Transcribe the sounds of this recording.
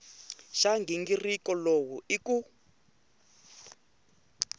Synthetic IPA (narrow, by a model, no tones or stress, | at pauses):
ʃaŋɡiŋɡirikɔlowuiku